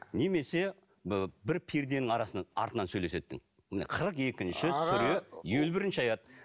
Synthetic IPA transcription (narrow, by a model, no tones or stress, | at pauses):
neme̞se̞ | bɪɾpʰiɾd̪enɪŋɑɾɑsənɑ̰ɾt̪ənɑnsɵjle̞se̞t̪ːɪ̰ŋ | ɪnḛqʰəɾəqe̞kʲɪnʃɪsʏɾejelbɪɾɪnʃɪɑjɑd̪